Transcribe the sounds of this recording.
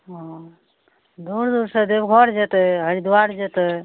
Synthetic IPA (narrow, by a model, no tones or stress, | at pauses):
ɦɔ̃ | d̪uɾd̪uɾsə̃d̪ebɡʱɔɾd͡ʒet̪əɦəɾid̪uwaɾd͡ʒet̪ɛ